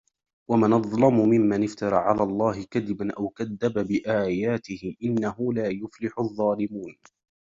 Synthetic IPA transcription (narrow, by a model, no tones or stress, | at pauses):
wamanɑðˤlɑmʊmɪmːanɪft̪ɑɾˤɑʕalaːlˤːɑːɦɪkaðɪbanʔawkaðːababɪʔaːjaːt̪ɪhɪʔɪnːaɦʊlaːjʊflɪħʊðˤːɑːlɪmuːn